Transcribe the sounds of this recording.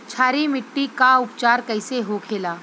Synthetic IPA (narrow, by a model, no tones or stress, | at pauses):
t͡ʃʰaːɾimɪʈːikaʊpt͡ʃaːɾkɐɪseɦokʰeːlaː